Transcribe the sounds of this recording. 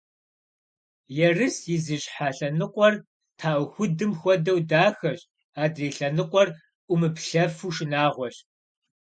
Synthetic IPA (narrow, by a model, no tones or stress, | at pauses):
jɛrɨsjɪziɕħaːɬɐnɨqʷʼɔr | tʰaːʔʷʊxʷʊdɨmxʷɔdɐwdaːxɐɕ | aːdreːɬɐnɨqʷʼɔr | ʔʷʊmɨpɬɐfuːʃɪnaːʁʷɔɕ